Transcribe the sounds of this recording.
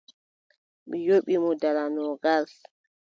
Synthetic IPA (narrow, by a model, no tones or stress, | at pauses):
mijoɓimɔdalanɔɡal